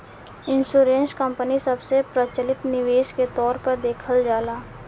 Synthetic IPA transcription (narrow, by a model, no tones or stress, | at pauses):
ɪ̃nsuːɾẽːnskə̃mpənisɐbsepɾət͡ʃəlɪt̪nɪʋeːʃket̪ɔːɾpəɾd̪eːkʰəld͡ʒaːlaː